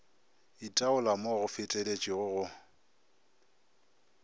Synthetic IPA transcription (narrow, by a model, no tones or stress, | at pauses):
itʼaʊlamoɣʊfɪtʼelet͡ʃʼiɣʊɣʊ